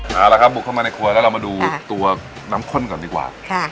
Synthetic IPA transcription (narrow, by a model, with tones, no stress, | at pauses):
ʔaː˨˩la˧kʰa˦˥p̚bu˨˩kʰːa˥˩maː˧na˧jkʰu˧lɛ˦˥ɾa˧maː˧duː˧t̪u˧ɐ | naː˦˥mkʰo˥˨nkɔː˨˩ndiː˨˩kwa̰ː˨˩kʰa˥˩